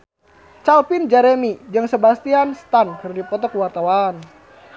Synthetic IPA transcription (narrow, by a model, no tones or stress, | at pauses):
t͡ʃalpind͡ʒɛɾemid͡ʒaŋsəbast̪ianst̪ankɨrdipɔt̪ɔkwart̪awan